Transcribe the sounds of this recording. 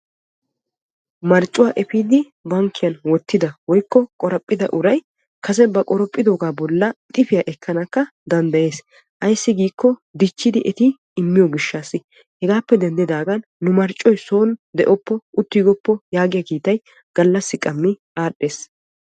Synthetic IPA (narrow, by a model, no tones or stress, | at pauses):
mɐɾt͡ʃʼːʊwaːʔɛfiːd̪ɪ | bɐŋkːɪjɐnwɔt̪ːɪd̪ɐwɔjkːɔkʼɔɾɐpʼːɪd̪ɐ̰ʔʊɾɐj | kʰɐs̬ɛbɐkʼɔɾɔpʼːɪd̪oːɡaːbɔlːɐt̪ʼɪfɪjɐʔɛkʰːɐnɐkːɐd̪ɐnd̪ɐje̞ːs | ʔɐjsːɪɡiːkːɔd̪ɪt͡ʃːɪd̪ɪʔɛt̪ɪː | mːɪjɔɡɪʃːaːsːɪ | hɛɡaːpːɛd̪ɛnd̪ɪd̪aːɡɐnːʊmɐɾt͡ʃʼːɔjso̞ːnd̪ɛʔɔpːɔʊt̪ːiːɡɔpːɔjaːɡɪjɐkiːt̪ːɐj | ɡ̥ɐlːɐsːɪkʼɐmːɪ | aːɗe̞ːs